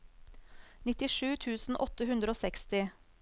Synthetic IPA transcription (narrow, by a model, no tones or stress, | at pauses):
nɪt̪ɪʂʉːt̪ʰʉːsn̩ʔɔt̪əɦʉnd̪ɾəoːsɛkst̪ɪ